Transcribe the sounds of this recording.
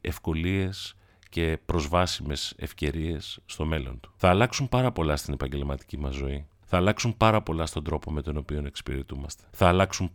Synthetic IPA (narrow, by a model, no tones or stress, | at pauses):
e̞fko̞lie̞s | ce̞pɾo̞zvɐsime̞se̞̰fce̞ɾie̞sːt̪o̞me̞lo̞̰nt̪u̥θɐːlɐksumpɐɾɐpo̞lɐst̪ine̞pɐɲɟe̞lmɐt̪i̥cimɐzːo̞i | θɐːlɐksumpɐɾɐpo̞lɐst̪o̞nd̪ɾo̞po̞me̞t̪o̞no̞pio̞ne̞ksi̥piɾet̪umɐst̪e̥θɐːlɐksum